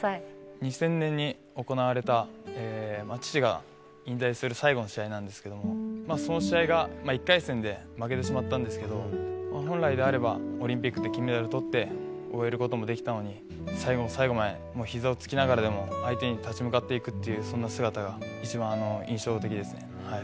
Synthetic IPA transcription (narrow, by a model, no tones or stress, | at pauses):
ɲ̟isẽ̞nːẽ̞ɲ̟ːi | o̞ko̞naβ̞aɾe̞t̪aeːmat͡ɕi̥t͡ɕiɡa̰ | ĩnt̪aisɨɾɯ̟saiɡo̞no̞ɕiainãnd̪esɨ̥ke̞d̪o̞mo̞maso̞no̞ɕiaiɡamaikːaisẽ̞nd̪e̞ | make̞t̪e̞ɕimat̪ːãnd̪e̞sɨ̥ke̞d̪o̞maɦõ̞ñɾaid̪e̞aɾe̞baoɾʲĩmpʲikːɯ̟t̪ːe̞kʲimed̪aɾot̪o̞t̪ːe̞oe̞ɾɯ̟ko̞t̪omo̞d̪e̞kʲi̥t̪ano̞ɲ̟i | saiɡo̞saiɡo̞mae̞ | mo̞ːçizao̞t͡sɨ̥kʲinaɡaɾad̪e̞mo̞ait̪e̞ɲ̟it̪at͡ɕimɯ̟kat̪ːe̞ikɯ̟t̪ːe̞jɯ̟ːsõ̞nːasɨɡat̪aɡait͡ɕibãɰ̃ano̞ĩɰ̃ɕo̞ːt̪e̞kʲid̪e̞sɨne̞̰ | hai